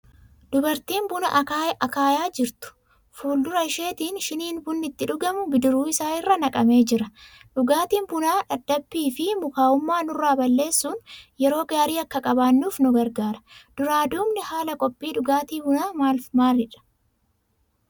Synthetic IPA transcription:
d̪̥ʊbɐɾt̪iːmbʊnɐ̰ʔajʔɐkaːjaːd͡ʒɪɾt̪ʊ̥ | fuːld̪ʊɾɐɪʃe̞ːt̪iːnʃɪniːnbʊnːɪt̪ːɪᶑʊɡɐmʊbɪd̪ɪɾuːɪsaːɪrːɐnɐkʼɐme̞ːd͡ʒɪɾɐᶑʊɡaːt̪iːnbʊnaːᶑɐd̪ːɐbːiːfɪmʊkaːʊmːaːnʊrːaːbɐlːe̞ːsːuːnjɛɾo̞ːɡaːɾiːɐkːɐkʼɐbaːnːuːfnʊɡɐɾɡaːɾɐ̥d̪̥ʊɾaːd̪uːmnɪhaːlɐkʼɔpʼːiːᶑʊɡaːt̪iːbʊnaːmaːlfmaːrɪᶑɐ̥

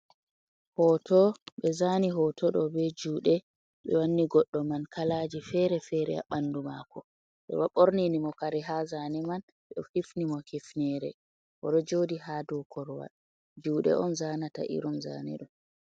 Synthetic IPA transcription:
hɔtɔɓɛzaniɦɔtʰɔɗɔbɛd͡ʒuːɗɛ | ɓɛwanːiɡɔɗːɔmankalaːd͡ʒifɛɾɛfɛɾɛ̰a̰ɓanːdumakɔ | ɓɛ̰waɓoɾninimɔkaɾiɦazanɛman | ɓɛhifnimɔkifnɛɾɛ̰ | ʔɔɗɔd͡ʒoːdiɦadɔkʰɔɾwa̰ | d͡ʒuːɗɛ̰ʔɔnzaːnata̰ʔḭɾumza̰ːnḭɗɔm

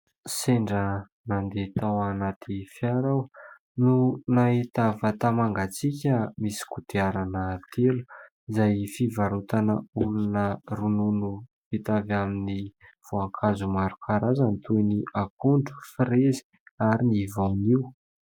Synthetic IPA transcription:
seɳɖ͡ʐə | nand̪et̪awanat̪ʰifjaɾaw | nunaɦit̪avat̪amaŋɡat͡sikʲəmisi̥kut̪eaɾanət̪ʰelu̥ | izajfivaɾut̪anəulunərununu | it̪avaminiv̥oaŋkʰazumaɾukʰaɾazənit̪ʰujniʔakuɳɖ͡ʐu̥frezi̥ | aɾinivawniw

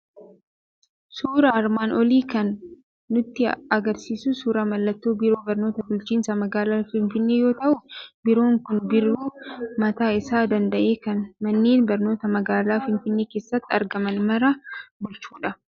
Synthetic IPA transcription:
suːɾɐɐɾmaːnʔɔliːkɐnː | ʊt̪ːɪɐɡɐɾsiːsʊsuːɾɐmɐlːɐt̪ːoːbɪɾo̞ːbɐɾnoːt̪ɐbʊlt͡ʃiːnsɐmɐɡaːlaːfɪnfɪnːe̞ːjo̞ːt̪ɐʔʊbɪɾo̞ːŋkʊnbɪɾːuːmɐt̪aːɪsaːd̪ɐnd̪ɐʔe̞ːkɐnmɐnːeːnbɐɾno̞ːt̪ɐmɐɡaːlaːfɪnfɪnːe̞ːkeːsːɐt̪ːɐ̰ɾɡɐmɐnmɐɾɐbʊlt͡ʃuːᶑɐ

